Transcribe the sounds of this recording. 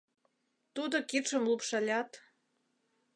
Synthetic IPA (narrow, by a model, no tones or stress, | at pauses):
t̪ud̪okit̪ʃə̆mlupʃɑlʲɑt̪